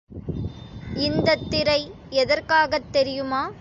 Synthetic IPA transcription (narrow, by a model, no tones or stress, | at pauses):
ɪnd̪ɐt̪ːɪɾɐɪ | ɛðɐɾkaːɣɐt̪ːɛɾɪjɯmaː